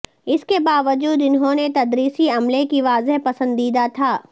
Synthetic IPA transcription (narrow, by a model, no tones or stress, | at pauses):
ɪskebaːʋəd͡ʒuːd̪ɪnɦõnet̪ɐd̪ɾiːsiɐmlekiʋaːzeɦpɐsə̃nd̪iːd̪at̪ʰaː